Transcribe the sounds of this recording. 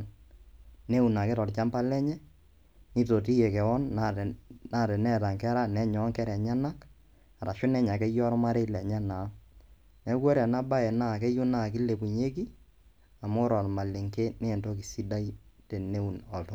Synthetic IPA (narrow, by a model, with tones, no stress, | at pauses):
n | ne˦u˨na˨kɛ˦tɔ˨lt͡ʃa˦mba˦lɛ˦ɲɛ˦ | ni˦to˨ti˦je˨kɛ˨wɔ˦nːana˦˨tɛ˨nɛ˦˨ta˨ŋkɛ˦ɾa˦nɛ˨˦ɲɔ˨˦ŋkɛ˦ɾɛ˨ɲɛ˦na˦k | a˨ɾa˨ʃʊ˦nɛ˦ɲa˨kɛ˦jɔ˦ɾɔ˦ma˦ɾe˦lɛ˨ɲɛ˦na˨˦ | nɛ˦kwɛ˦ɾɛ˨na˦ba˦ɛ˨na˦˨kɛ˦jʊ˦na˦˨k̬i˦le˨ku˨ɲe˦k̬i˦ | a˨mo˦ɾɔ˨lma˨le˨ŋke˦ne˦˨nto˦ki˨si˦da˦ite˨ne˦u˨nɔ˨tɔ˦